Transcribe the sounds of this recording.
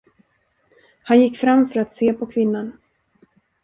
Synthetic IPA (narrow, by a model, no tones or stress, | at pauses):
hanjɪkːfɾamfœɾat̪seːpʰɔkʰvɪnːan